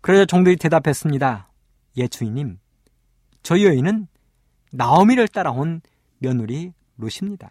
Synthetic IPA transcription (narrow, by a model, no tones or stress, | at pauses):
kɯɾʌsʰʌt͡ɕʌŋdɯɾite̞dapʰe̞s͈ɯmɲida | jet͡ɕʰuiɲim | t͡ɕʌiʌinɯnː | aʌmiɾɯɭt͈aɾaɦon | mjʌnuɾi | ɾoɕʰimɲida̰